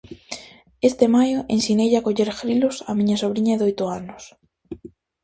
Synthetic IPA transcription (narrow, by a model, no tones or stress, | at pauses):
est̪emajoʔẽnsinejʎakoʎeɾfɾilosamĩɲɐsoβɾiɲaðojt̪ʊanʊs